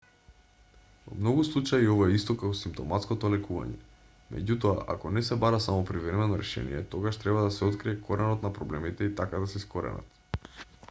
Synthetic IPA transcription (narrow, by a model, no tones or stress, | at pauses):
vɔ̰mnɔɡuslˠut͡ʃaiovaɛist̪ɔkakɔsimpt̪ɔmat̪skot̪olɛkuva̰ɲɛ̰ | mʔɛ̰ɟut̪oa̰ʔa̰kɔnɛsɛbaɾasamɔpɾivɾɛmɛnɔɾɛʃɛ̰nḭjɛ̰t̪oɡaʃt̪ɾɛbad̪asɛot̪kɾiɛkʰoɾɛnɔt̪napɾɔblɛmit̪ɛit̪akad̪asɛiskoɾɛ̰na̰t̪